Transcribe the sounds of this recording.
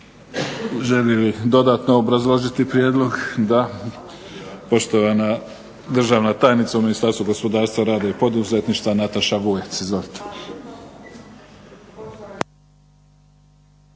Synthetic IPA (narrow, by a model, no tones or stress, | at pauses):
ʒelilid̪o̞d̪aːt̪noobɾazlˠo̞ʒit̪ipɾjeːd̪lˠo̞ɡd̪a | po̞ʃt̪oʋana | d̪r̩ʒaːʋnat̪aːjnit̪sauminist̪aːɾst̪vuɡo̞spo̞d̪aːɾst̪ʋaɾaːd̪aipo̞d̪uzet̪niʃt̪ʋanat̪aʃaʋuet̪sizolt̪o̥